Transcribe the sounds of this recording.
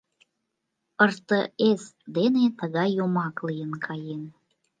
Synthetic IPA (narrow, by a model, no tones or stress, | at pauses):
ərt̪əesd̪enet̪əɣɑjːomɑklijənkʰɑjen